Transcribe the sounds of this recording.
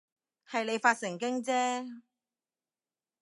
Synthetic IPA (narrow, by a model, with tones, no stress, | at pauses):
hɐ˨jne˨˧jfaː˧t̚sɪ˨˩ŋkɪ˥ŋt͡sɛː˥